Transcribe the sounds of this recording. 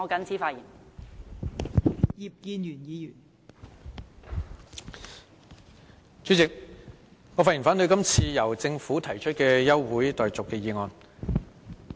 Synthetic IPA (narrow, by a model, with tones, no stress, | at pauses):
ɔ˨˧kɐ˨˥nt͡sʰiː˨˥faː˧t̚jiː˨˩n | ji˨p̚kiː˧njyː˨˩njiː˨˧jyː˨˩n | t͡ʃyː˨˥t͡sɪ˨k̚ | ŋɔː˨˧faː˧t̚i˨˩faː˨˥nt̪ɵ˨˧ɥkɐ˥mt͡sʰiː˧jɐ˨˩wt͡sɪ˧ŋfuː˨˥t̪ʰɐ˨˩jt͡ʃʰɵ˥t̚kɛː˧jɐ˥wwuː˨˥jt̪ɔː˨jt͡sʊ˨kːɛː˧jiː˨˧ŋɔː˧n